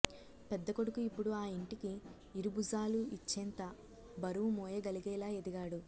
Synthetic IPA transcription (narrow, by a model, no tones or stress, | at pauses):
pɛd̪ːɐkoɽukuipːuɽuaːiɳʈikiː | ɾubuzaːluʔit͡ʃːɛnt̪ɐ | bɐɾuumɔːjɐɡɐliɡɛːlaːed̪iɡaːɽu